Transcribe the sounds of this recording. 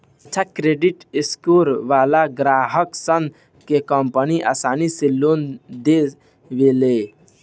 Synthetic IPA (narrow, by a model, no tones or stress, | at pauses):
ətːt͡ʃʰakɾeɖiʈiskoɾʋalaɡɾaɦəksən | kekəmpəniʔa̰saːniselːond̪e | ʋele